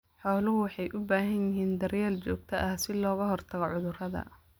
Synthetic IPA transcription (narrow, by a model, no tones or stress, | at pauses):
ħɔːlʊɦʊwɑħɑjʔʊbaːɦɐnjɪɦiːnd̪ɐrjɛːlt͡ʃɔːɡ̚t̪ʰɐʔɐhsɪlɔːɣɐɦɔrt̪ʰɐɣɔʕʊðʊrɐðɐ̰